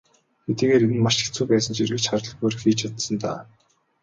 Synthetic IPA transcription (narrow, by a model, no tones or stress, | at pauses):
xet̪iːɣeːɾenɘ̆nmaʃi̥xt͡suːpæːsə̆nt͡ɕirɣɘ̆t͡ɕχaɾə̆ɮ̆poːɾɘ̆xiːt͡ɕat̪sə̆nt̪a̰ː